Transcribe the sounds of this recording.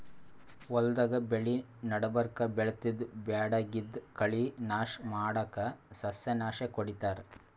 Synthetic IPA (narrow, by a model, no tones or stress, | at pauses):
wɔld̪ɐɡɐbeɭi | nɐɽɐbɐɾkɐbɛɭt̪id̪bjaːɽɐɡid̪kɐɭinaːʃmaːɽɐkɐsɐsjɐnaːʃekoɽit̪aːɾe